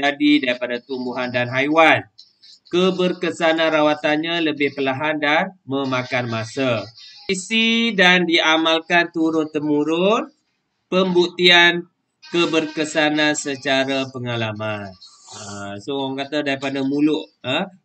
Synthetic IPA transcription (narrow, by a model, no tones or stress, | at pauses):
d͡ʒadidaɾipadat̪umbuɦandanɦajwan | kəbərkəsanãɾawat̪anɲaləbɪhpəlaɦandanməmakanmasaisidandiamalkant̪uɾʊnt̪əmuɾʊn | pəmbuk̚t̪ian | kəbərkəsanasət͡ʃaɾapəŋalaman | əsowaŋkat̪adaɾipadamulʊʔə